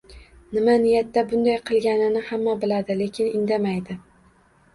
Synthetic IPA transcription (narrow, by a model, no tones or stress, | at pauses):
nɪmanɪjat̪ːabʊnd̪ajqʰɨlˠɡʲanɪnɪhamːabɪlad̪ɪle̞kʲʰɪnɪnd̪amajd̪ɪ